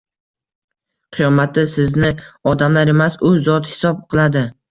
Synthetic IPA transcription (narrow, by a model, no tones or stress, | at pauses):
qʰɨjɒmat̪ʰːɪsɪznɪɒd̪amlaɾe̞masʊzɒt̪hɪ̥sɒp̚qʰɨlˠad̪ɪ